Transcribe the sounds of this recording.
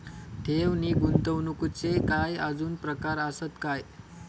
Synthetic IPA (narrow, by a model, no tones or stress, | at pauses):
ʈ̪ʰewniːɡunt̪əwnukut͡sekajad͡zuːnpɾəkaɾəsət̪kaj